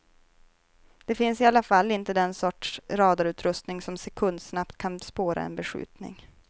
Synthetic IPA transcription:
d̪̥ɛfɪnsɪalːafalːɪnt̪əd̪ɛnsɔʈʂɾɑːd̪aɾʉ̟ːt̪ʰɾɵst̪nɪŋsɔmsɛkʰɵnd̪snapt̪kʰanspoːɾa̰ɛ̰nbɛɧʉ̟̰ːt̪nɪ̰ŋ

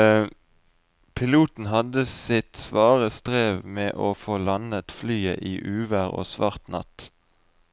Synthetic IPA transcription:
pʰɪluːt̪n̩ɦɑd̪əsɪt̪sʋɑːʁəst̪ʁeːʋmeːʔoːfoːlɑnət̪flyːə̰ʔiːʔʉːʋæʁo̰ːsʋɑʁt̪nɑ̰t̪

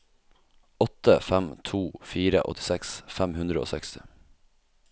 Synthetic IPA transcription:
ɔt̪əfæmt̪ʰuːfiːɾə̰ʔɔ̰t̪ɪ̥sɛksfæmhʉnd̪ɾəo̰ːsɛkst̪ɪ

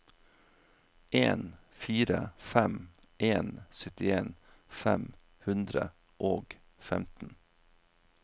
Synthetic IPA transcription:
ʔeːn | fiːɾəfɛm | ʔeːnsœt̪ɪeːn | fɛm | hʉnd̪ɾə̰ | ʔoːɡ | fɛmt̪n̩

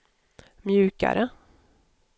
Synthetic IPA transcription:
mjʉ̟ːka̰ɾə

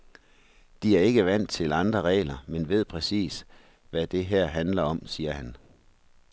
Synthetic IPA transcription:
d̥iæɐe̝ɡ̥əʋæn̰d̥t͡sʰe̝lɑ̈nd̥ʁɐʁɛ̰ːlɐmenʋe̝ð̞̰ˠpʰʁɛsḭːs | ʋæd̥e̝ɦæɐ̰ɦænlɐɒ̽msiːɐhæn

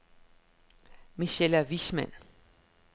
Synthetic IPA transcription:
miɕelæʋismæn

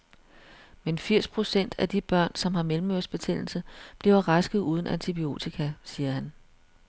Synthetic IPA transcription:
menfiɐ̰spʰʁo̝sen̰d̥æd̥ib̥ɶɐ̰nsɒ̽mɦɑ̈melm̩øɐsb̥e̝t͡sʰel̰l̩səb̥liʊɐʁɑsɡ̥ð̩ˠuːð̞ˠn̩ʔænt͡sʰib̥io̝̰ːt͡sʰikʰæsiːɐhæn

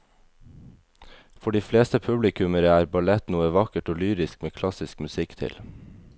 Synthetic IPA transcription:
fɔɖiːfleːst̪əpʰʉblɪkʰʉməɾəæːɾbɑlɛt̪nuːəʋɑkəʈoːlyːɾɪskmeːkʰlɑsɪskmʉsɪkt̪ʰɪ̰l

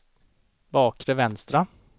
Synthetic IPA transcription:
bɑːkɾɛvɛnst̪ɾa

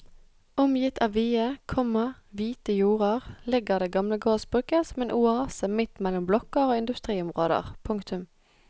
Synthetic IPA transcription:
ʊmjɪt̪ʰɑːʋʋiːəkʰɔməʁʋiːt̪əjuːʁəʁlɪɡəʁd̪eːɡɑmləɡoːsb̥ʁʉːkəsɔmeːnʔʊɑːsəmɪt̪mɛlːɔmblɔkəʁoːɪnd̪ʉst̪ʁiːʊmʁoːd̪ə̰ʁpʰʊŋkt̪ʰʉm

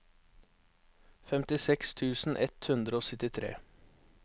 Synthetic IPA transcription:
fɛmt̪ɪsɛkst̪ʰʉːsn̩ʔɛt̪hʉnd̪ɾəoːsœt̪ɪt̪ʰɾḛː

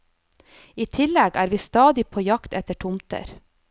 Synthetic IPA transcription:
iːt̪ʰɪlɛɡæːɾʋiːst̪ɑːd̪ɪpʰoːjɑkt̪ɛt̪əʈʰʊmt̪ə̰ɾ

